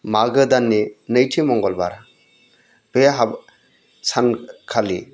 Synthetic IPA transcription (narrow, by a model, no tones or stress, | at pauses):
maɡɯdanːinɯjtʰimɔŋɡɔlba̰ɾa | b̥eɦab | sankʰalḭ